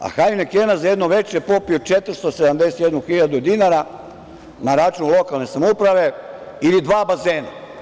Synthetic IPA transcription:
a̰xajunekeːnazajed̪noʋe̞t͡ʃepo̞piot͡ʃet̪ɾ̩st̪osed̪amd̪ese̥t̪jed̪nuxiʎad̪ud̪inaɾa | naɾat͡ʃunulˠo̞kalˠne̞samoupɾaʋe̞ | ilid̪ʋaːbazeːna̰

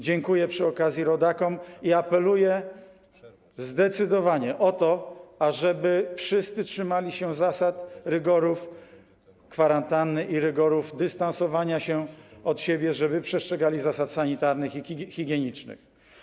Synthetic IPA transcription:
d͡ʑɛŋkujɛpʂɘɔkazʲjiɾɔd̪akɔmiapɛlujɛ | zd̪ɛt̪sɘd̪ɔvaɲɛʔɔt̪ɔaʐɛbɘfʂɘst̪sɘtʂɘmalʲiɕɛzasat̪ɾɘɡɔɾuf | kfaɾant̪anːɘiɾɘɡɔɾufd̪ɘst̪ansɔvaɲaɕɛɔt̪ɕebʲjɛʐɛbɘpʂɛstʂɛɡalʲizasat̪saɲit̪aɾnɘxixʲiɡʲjɛɲit͡ʂnɘ̰x

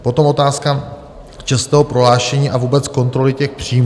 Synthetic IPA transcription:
po̞t̪o̞mʔo̞t̪aːska | t͡ʃɛst̪ɛːɦopɾo̞ɦlaːʃɛɲiːʔavuːbɛt͡sko̞nt̪ɾo̞lɪcɛxpr̝̥iːm

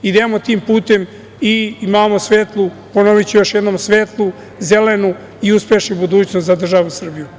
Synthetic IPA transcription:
id̪emot̪iːmpuːt̪em | iimaːmo̞sʋeːt̪lˠu | ponoʋit͡ɕijo̞ʃjed̪noːmsʋeːt̪lˠu | zelenu | iuspe̞ʃnubud̪uːt͡ɕnost̪zad̪r̩ʒaʋusr̩biju

